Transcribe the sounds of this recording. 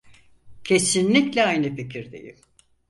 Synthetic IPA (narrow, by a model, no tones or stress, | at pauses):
cʰe̞sinlʲiclʲɛajnɯficʰiɾd̪ḛjḭm